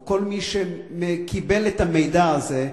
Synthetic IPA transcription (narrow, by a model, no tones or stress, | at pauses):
ko̞lmiʃe | mekʰibe̞let̪amejd̪aːze